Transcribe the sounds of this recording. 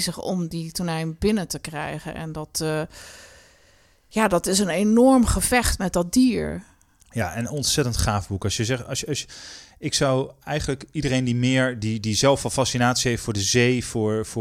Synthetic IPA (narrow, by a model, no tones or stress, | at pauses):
zəχɔ̰mditunɛjnbɪnətəkrɛ̰jχə̰nʔɛ̰ndɔt | jaːdɔtɪsənenɔɹmχəvɛχtmɛt̚dɔt̚diːɹ | jaːʔɛnɔntsɛtəntχaːvbukɑsjəzɛχtɑsɑsɪksʌwɛjχənləkidərejndimɪːɹdidizɛlˠfɑlˠfasinaːtsiɦejftfʊːɹdəzejfʊːɹf